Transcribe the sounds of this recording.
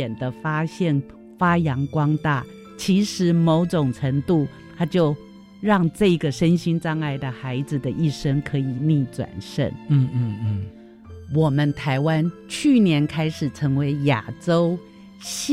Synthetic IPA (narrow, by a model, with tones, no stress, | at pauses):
ɛ˨˩nd̪ə˦fa˥ɕjɛ˥˩n | fa˥jɑ˧˥ŋkwɑ˥ŋt̪a˥˩ | t͡ɕʰi˧˥ʂɻ̩˧˥mo˧˥ʊʈ͡ʂʊ˨˩ŋʈ͡ʂʰə˧˥ŋt̪u˥˩ | t̪ʰa˥t͡ɕjo˥˧ʊ | ɻɑ˥˧ŋʈ͡ʂɤ˥˧i˧˥ɡə˨ʂə˥nɕi˥nʈ͡ʂɑ˥˧ŋa˥˩ɪd̪ə˩xa˧˥ɪd͡zɹ̩˨d̪ə˨ʔi˥˩ʂə˥ŋkʰɤ˧˥i˨˩ni˥˧ʈ͡ʂwa̰˨˩nʂə̰˥˩n˧˥˧ | wɔ˨˩mə˦nt̪ʰa˧˥ɪwa˦nt͡ɕʰy˥˩njɛ˧˥nkʰa˥ɪʂɻ̩˨˩ʈ͡ʂʰə˧˥ŋwe˧˥ɪja̰˨˩ʈ͡ʂo˥ʊ | ɕ